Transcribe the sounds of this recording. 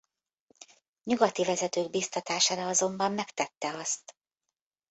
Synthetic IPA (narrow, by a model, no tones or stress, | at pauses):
ɲuɡɒt̪ivɛzɛt̪øːɡ̚biːst̪ɒt̪aːʃaːɾɒɒzo̞mbɒmːɛkt̪ɛt̪ːɛɒst̪